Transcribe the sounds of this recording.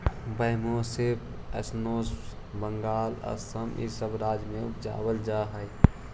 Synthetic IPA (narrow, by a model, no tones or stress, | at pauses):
bəjmoːseb | ɛ̰snoːs | bəŋɡaːlə̰səmḭsəbɾaːd͡ʒmẽʊpd͡ʒa̰ːwəld͡ʒaːɦəj